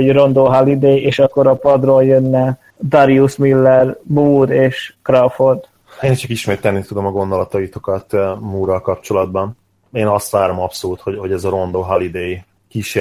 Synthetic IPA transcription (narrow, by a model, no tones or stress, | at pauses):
oro̞nd̪oːɦɒlid̪eːjeːʃɒkːoɾɒpɒd̪roːljønːɛ | d̪ɒɾiusmilːɛrbuːd̪eːʃkrɒford̪ | eːnt͡ʃɒkiʃmeːt̪ɛlnit̪ud̪o̞mɒɡo̞nd̪o̞lɒt̪ɒit̪o̞kɒt̪muːɾɒlkɒp̚t͡ʃo̞lɒd̪̚bɒn | eːnɒst̪ʋaːɾo̞mɒpsoluːt̪hoɟho̞ɟɛzɒɾo̞nd̪oːɦɒlid̪eːj | kiːʃe